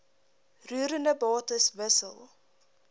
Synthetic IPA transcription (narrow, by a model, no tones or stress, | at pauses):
ruːɾəndəbɑːtəsvəsə̰lˠ